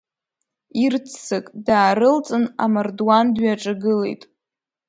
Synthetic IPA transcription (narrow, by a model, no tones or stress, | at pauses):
irt͡sʰsɨkʼdaːɾɨlt͡sʼɨna̰mardwandɥaʈ͡ʂʼaɡɨlḛjtʼ